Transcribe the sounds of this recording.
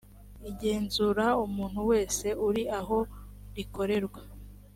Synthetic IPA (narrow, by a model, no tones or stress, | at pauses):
iɟe̞ːnzuɾaumuːn̥huwe̞ːse̞uɾiaɦo̞ɾiko̞ɾe̞ɾɡwa